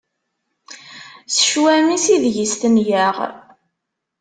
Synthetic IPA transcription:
sə̥ʃwæmisiðʝist̪ənjæʁ

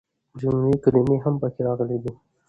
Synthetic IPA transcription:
d͡ʒʊmɾikalimeɦampəkeɾɑɣəlid̪i

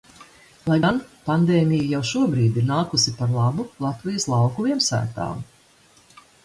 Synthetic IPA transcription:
lˠajɡanpand̪eːmʲijajawʃuɔbɾiːd̪iɾnaːkusipaɾlˠabulˠat̪vijəslˠɑwkuviɛmsæ̰ːt̪a̰ːm

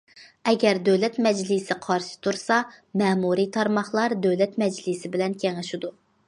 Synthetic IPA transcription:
ɛɡʲɛɾd̪øwlɛt̪mɛd͡ʒlɪsɪqʰɑɾʃɪ̥t̪ʰuɾsɑmɛːmuɾit̪ʰɑɾmɑχlˠɑɾd̪øwlɛt̪mɛd͡ʒlɪsɪbɪlɛnkʲʰɛŋɪʃud̪u

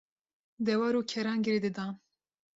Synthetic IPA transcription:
d̪ɛwɑːɾuːkʰɛɾɑːŋɡɪɾed̪ɨd̪ɑːn

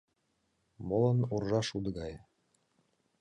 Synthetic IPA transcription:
molənurʒɑʃud̪əɣɑj

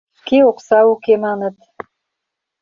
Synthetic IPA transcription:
keoqsɑwukemɑnɤ̆t̪

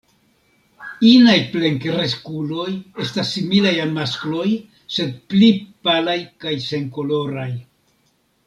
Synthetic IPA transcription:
inajple̞ŋkɾeskulo̞je̞stasːimilajalmasklo̞j | se̞d̪̚plipalajkajse̞ŋko̞lo̞ɾaj

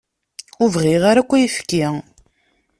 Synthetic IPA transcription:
ʊvʁiʁaɾækʷːæjifkːi

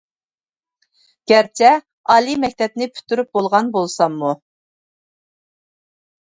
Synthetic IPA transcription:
ɡ̥ʲɛɾt͡ʃʰɛ | ɑːlˠimɛk̚ʲt̪ʰɛp̚nɪpʰy̥t̪ʰyɾyp̚bolˠʁɑnbolˠsɑmːu

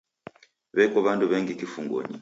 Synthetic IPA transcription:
βɛkɔβanduβɛŋɡikifuŋɡɔ̰ɲḭ

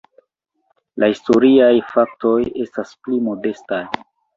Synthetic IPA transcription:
lʔahisto̞ɾiajfak̚to̞je̞stasplimo̞de̞staj

